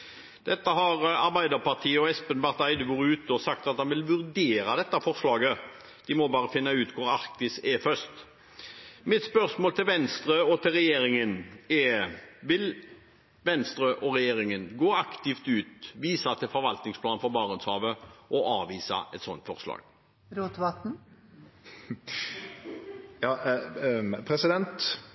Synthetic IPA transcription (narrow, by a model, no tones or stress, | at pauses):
d̪̥ɛt̪ːəɦɑɾɑɾbæɪd̪əɾpɑʁt̪ʰiːəɔɛspənʋæʁt̪æɪd̪əʋuːɾʉːt̪əɔsɑk̚t̪ɑt̪̚hɑnʋɪlʋʉɾd̪eːɾɑd̪ɛt̪ːɑfɔɾslɑːɡə | d̪̥ɪmɔbɑːʁəfɪnːɑʉːt̪kʰʊɾɑʁkt̪ɪsɛfœst̪ | mɪt̪spœɾsmoːlt̪ɪlʋɛnst̪ɾøːɔt̪ʰɪlʁɛjeːɾɪŋənɛʋɪl | ʋɛnst̪ɾøʔɔʁɛjeːɾɪŋənɡoːɑkt̪ɪft̪ʉːt̪ʋiːsɑt̪ʰɪlfɔɾʋɑlt̪nɪŋspʰlɑːnfɔɾbɑːʁʉnshɑːʋəʔɔʔɑːʋiːsɑ̰ʔɛt̪sɔnt̪fɔʁslɑ̰ːɡ̥ | ɾot̪ʋɑt̪n̩ | jɑː | pʰɾɛsɪd̪ɛnt̪